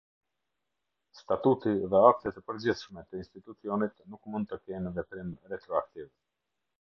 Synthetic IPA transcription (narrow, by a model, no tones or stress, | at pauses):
st̪at̪ut̪iðɛak̚t̪ɛt̪ɛpəɾd͡ʑiθʃmɛt̪əinst̪it̪ut͡siɔnit̪nukmund̪̚t̪əkɛnəvɛp̪ɾimɾɛt̪ɾɔak̚t̪iv